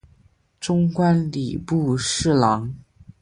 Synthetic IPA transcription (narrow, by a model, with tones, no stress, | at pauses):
ʈ͡ʂʊ˥ŋkwa˥nli˨˩pu˥˧ʂɻ̩˥˩lɑ˧˥ŋ